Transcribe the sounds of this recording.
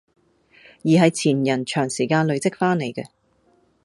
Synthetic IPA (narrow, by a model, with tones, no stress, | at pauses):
jiː˨ɦɐ˨jt͡sʰiː˨˩njɐ˨˩nt͡ʃʰœː˨˩ŋsiː˨˩kaː˧nlɵ˨ɥt͡sɪ˥k̚faː˥nne˨˩jkɛ˧